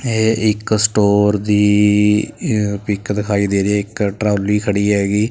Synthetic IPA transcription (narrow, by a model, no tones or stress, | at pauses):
eːɪksʈoːɾd̪iː | pɪkd̪ɪkʰaːiːd̪eːɾeɛːɪkʈɾaːliːkʰəɽiːɦɛːɡiː